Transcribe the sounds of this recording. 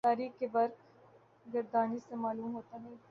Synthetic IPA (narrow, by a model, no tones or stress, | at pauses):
t̪aːɾiːkkeʋɐɾk | ɡɐɾd̪aːnisemaːluːmɦoːt̪aɦɛ̃